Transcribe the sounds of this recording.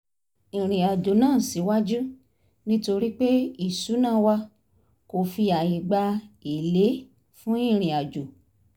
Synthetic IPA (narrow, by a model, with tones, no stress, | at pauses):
ĩ˨ɾ̃ĩ˨a˨d͡ʒo˨nãː˦˨si˨˦wa˦d͡ʒu˦ | nĩ˦to˧ɾi˦k͡pe˦i˦˨su˨˦nãː˦˨wa˧ | ko˨fi˧a˨ji˨ɡ͡ba˧i˨le˨˦ | fũ˦ĩ˦˨ɾ̃ĩ˨a˨d͡ʒo˨